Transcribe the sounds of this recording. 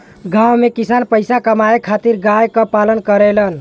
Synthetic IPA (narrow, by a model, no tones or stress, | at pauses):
ɡawmekisanpəjsakəmaekʰat̪iɾɡajkəpalənkəɾelən